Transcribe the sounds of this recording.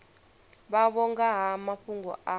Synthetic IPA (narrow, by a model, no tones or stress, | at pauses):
ɓaβɔŋɡaɦamaɸʰuŋɡɔ̰ʔa